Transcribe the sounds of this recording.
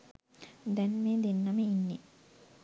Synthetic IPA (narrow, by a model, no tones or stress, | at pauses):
d̪ɛnmeːd̪enːaməinːe